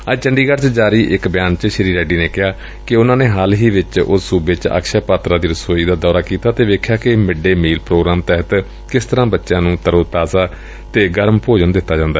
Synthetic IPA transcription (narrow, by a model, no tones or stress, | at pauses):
əd͡ʒt͡ʃəɳɖiːɡəɖt͡ʃd͡ʒaːɾiːʔɪkbɪjaːnt͡ʃəʃəɾiːɾɛːɖiːneːkɪɦaː | kɪʊnãːneːɦaːlɦiːʋɪt͡ʃʊ̰suːbɪt͡ʃa̰ːkʃaːpaːt̪ɾãːd̪iːɾəsoːiːd̪aːd̪ɔːɾaːkiːt̪aːt̪eːʋeːkʰjaːkɪmɪɖeːmiːlpɾoːɡɾaːmt̪ɛɦət̪ | kɪst̪əɾãːbətːʃãːnũːt̪əɾoːt̪aːsaː | t̪eːɡəɾmpoːd͡ʒənd̪ɪt̪ːaːd͡ʒãːnd̪aːɛː